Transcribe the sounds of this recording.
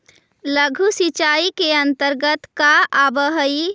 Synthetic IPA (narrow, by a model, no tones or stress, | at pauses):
ləɡʱusit͡ʃaːikeɐ̃nt̪əɾɡət̪kaabəɦəi